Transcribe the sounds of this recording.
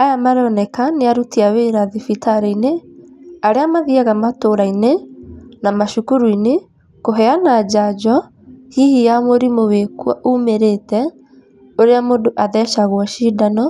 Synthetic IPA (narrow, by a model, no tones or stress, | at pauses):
ajamaɾɔnɛkaneaɾutiaweɾaðifitaɾeine | aɾeamaðiaɣamatoɾainenamaʃukuɾuine | koɦɛanad͡ʒad͡ʒɔ | hihijamoɾimowekwa̰ʔumeɾetɛ | oɾeamodoʔaðɛʃaɣwɔʃiːdanɔ